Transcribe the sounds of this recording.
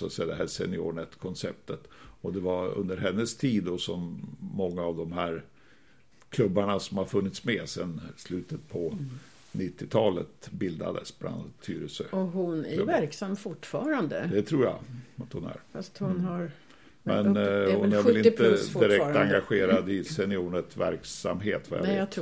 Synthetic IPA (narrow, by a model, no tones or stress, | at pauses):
at̪sɛjad̪ɛɦæsɛ̰nɪoːɳɛt̪kʰɔnsɛp̚t̪ət̪ɔd̪ɛvaɾɵ̰nd̪əɾɦɛnːəst̪ʰiːd̪ːɔsɔmːɔŋːaːvd̪ɔmhæɾ | kʰlɵbːaɳasɔmhaɾfɵnːɪt̪smɛsɛnslʉ̟ːt̪ət̪̚pʰɔ | nɪt̪ːɪt̪ʰɑːlə̰t̪bɪld̪a̰d̪ə̰sbla̰nd̪t̪ʰːy̰ːɾəsəɔhʊnævæɾksamːfʊʈːfɑːɾand̪əd̪ɛt̪ʰɾuːɾja̰at̪hʊnæ̰ɾfast̪hʊnhaɾ | mɛnhʊnæɾvɪlɪnt̪əd̪ɪɾɛk̪̚aŋɡaɧeːɾad̪ɪsɛnɪuːɳətvæ̰ɾksa̰mɦeːt̪va̰ja̰e